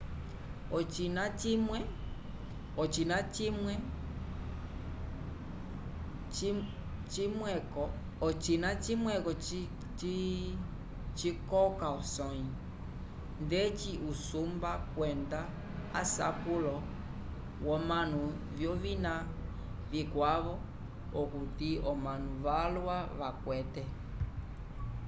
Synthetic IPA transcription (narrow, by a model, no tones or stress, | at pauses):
ɔt͡ʃinat͡ʃimwɛ | ɔt͡ʃinat͡ʃimwɛ | t͡ʃimwɛkɔ | t͡ʃinat͡ʃimwɛkɔ | t͡ʃi | t͡ʃikɔkaɔsɔɲi | ndɛt͡ʃiʔusumbakwɛnda | a̰sa̰kulɔ | wɔmanu | vjɔvina | vikwaβɔ | ɔkut̪iɔmãnuʋalwaβakwɛtɛ